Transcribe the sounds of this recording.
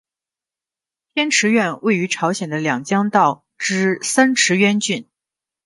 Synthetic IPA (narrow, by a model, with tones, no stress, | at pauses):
t̪ʰjɛ˥nʈ͡ʂʰɻ̩˧˥ɥɛ˥˧nwe˥˩ɪy˧˥ʈ͡ʂʰɑ˧˥ʊɕjɛ˨˩nd̪ə˦ljɑ˨˩ŋt͡ɕjɑ˥ŋt̪ɑ˥˩ʊ | ʈ͡ʂɻ̩˥sa˥nʈ͡ʂʰɻ̩˧˥ɥɛ˥nt͡ɕy˥˩n